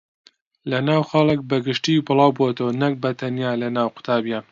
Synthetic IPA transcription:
lɐnaːwxɑlˠɨk̚bɐɡɪʃt̪ibɨlˠɑːwbot̪ɐwɐnɐk̚bɐt̪ʰɐnjaːlɐnaːwqʊ̥t̪ʰaːbijaːn

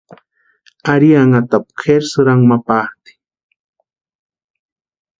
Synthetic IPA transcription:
aɾiaŋat̪ap̚kʰeɾsuɾaŋmapat̪i̥

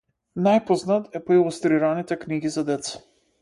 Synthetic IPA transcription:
najpɔznat̪ɛpoilˠust̪ɾiɾanit̪ɛkniɡizad̪ɛt̪sḁ

